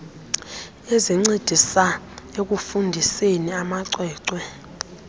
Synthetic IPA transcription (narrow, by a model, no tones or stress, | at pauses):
eziŋ͡ǀid̥ʱisa | ek̬ʼufundʱiseniamaǀwɛːǀwɛ